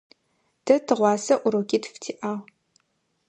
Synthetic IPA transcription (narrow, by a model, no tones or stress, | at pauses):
d̥ɐtʰɨʁʷɑːsɐʔʷʊɾokʲiːtftʰiːʔaːw